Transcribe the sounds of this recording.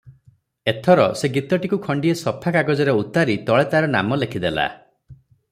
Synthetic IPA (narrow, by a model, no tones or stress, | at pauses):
et̪ʰɔɾɔseɡit̪ɔʈikukʰɔɳɖiesɔpʰakaɡɔd͡ʒɔɾeut̪aɾit̪ɔɭet̪aɾɔna̰mɔlekʰid̪ela̰